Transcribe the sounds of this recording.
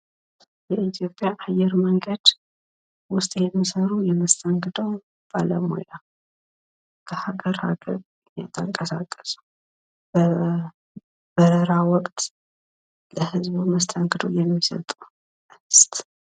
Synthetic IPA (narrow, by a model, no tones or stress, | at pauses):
jɛʔit̪ʰjo̞pʼjaʔajɛɾməŋɡəd̪̥ | wʊst̪ʼjɛmːisəɾujɛməst̪ʰəŋɡɨd̪əw | b̥aləmo̰ja | kʰəhaɡəɾha̰ɡə̰ɾ | jɛ̰t̪ʰəŋkʼəsakʼːə̥su̥ | b̥ə | b̥əɾəɾawɔkʼt̪ | ləhɨzβuməst̪ʰəŋɡɨd̪o̰jɛmːisə̰t̪ʼu | ʔɨst̪